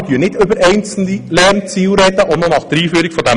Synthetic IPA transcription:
dyːənɪtʏbəɾɛɪnt͡sl̩ilɛrnt͡siːwɾɛd̪əʔɔnɔnɑχd̥əɾiːfyːɾikfɔd̪æ

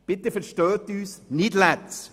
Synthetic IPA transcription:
b̥ɪt̪əfəɾʃtœːtyːsnɪdlæts

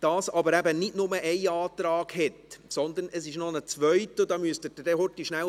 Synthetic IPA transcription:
d̥ɑːsɑbəɾæbənɪdnʊməʔɛɪɑːt̪ɾɑːɡ̥hɛtsɔnd̪ənʔəsɪʃnɔnət͡sʋœʏtəd̪ɑːmyəstəd̥əd̥ɛhɔɾtiʃnæl

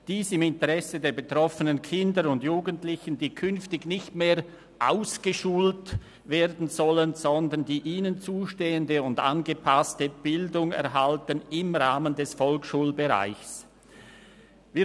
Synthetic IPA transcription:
d̥iːsɪmɪntəʁɛsədeːɐbetʁ̥ɔfənənkʰɪndəɾʊndjuːɡəntlɪçəndiːkʰʏnftɪɡnɪçtmeːɾ | ʔaʊsɡ̥əʃuːlt | veːdn̩zɔlənz̥ɔndəndiːʔiːnənt͡suːʃteːəndəʊnda̰nɡəpʰastəb̥ɪldʊŋɛ̰ɐɦaltənɪmʁaːməndɛsfɔlkʃuːlbəʁa̰ɪçs | viː

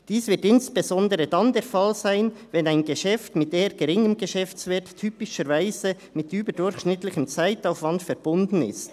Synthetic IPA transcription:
d̥iːsvɪtɪnsb̥ezɔndəɾədɑndeːɾfɑlzaɪnvɛnaɪnɡəʃɛftmɪteːɾɡ̥əɾɪŋəmɡəʃɛft͡sveːtʰyːpɪʃəɾvaɪzə | mɪtʔyːbədʊɾçʃnɪtlɪçəmt͡saɪtaʊfvɑndfɛɾb̥ʊndn̩ɪ̰st

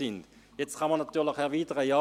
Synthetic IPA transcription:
ɪndjɛt͡stkʰɑnmanːɑt̪yːlɪχɛʁviːtəʁəjɑ

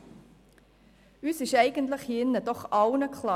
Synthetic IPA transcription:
yːsɪʃæɪɡ̥əntləχhiɪnːəd̥ɔχʔɑʊnəkχlɑː

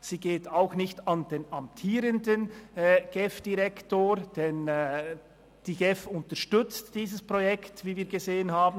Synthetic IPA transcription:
z̥iːɡeːtaʊxnɪçtɑndeːnɑmptʰiːɾəndənɡ̥ɛfd̥iʁɛktoːɾd̥ɛn | d̥iːɡɛfʊntəɾʃtʏt͡std̥iːzəspʁojɛktviːviːɐɾɡezeːənhaːbn

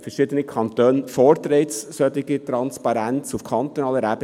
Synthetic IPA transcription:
fəʂɪd̪ənəkʰɑnt̪øːnfɔɾt̪ɾeɪt̪ssøt̪ɪkət̪ʰɾɑnspɑɾɛnt̪sʊfkʰɑnt̪ənɑlːəɾæp

